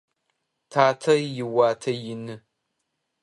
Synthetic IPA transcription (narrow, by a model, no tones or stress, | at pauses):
tʰaːtʰɐjɪwaːtʰɐjɪnɨ